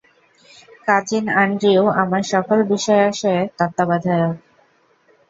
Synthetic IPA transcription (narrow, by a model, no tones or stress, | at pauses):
kad͡ʑinaɳɖɾioamaɾʃɔkolbiʃɔeaʃɔet̪at̪ːabad̪ʱajok̚